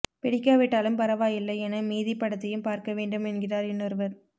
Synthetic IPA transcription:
pɛɽɪkːaːʋɪʈːaːlɯmpɐɾɐʋaːjɪlːɐɪɛnɐmiːðɪpːɐɽɐt̪ːɐjɯmpaːɾkɐʋeːɳɖɯmɛnɡɪraːɾɛnːɔɾɯʋɐɾ

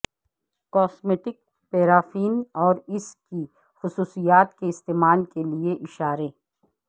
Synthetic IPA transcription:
kɔːsmeːʈɪk̚ | peːɾaːfiːnɔːɾɪski | xʊsuːsijaːt̪keɪst̪eːmaːlkelieʔɪʃaːɾeː

